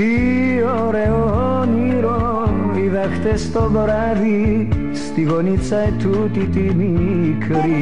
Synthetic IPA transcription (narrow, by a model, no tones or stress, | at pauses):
iɔ | ɾɛɔɦɔ | niɾɔ | ʋiðakʰt̪est̪ɔbɔɾa | d̪i | st̪iɡɔnit͡sajt̪ʰut̪it̪imikʰɾi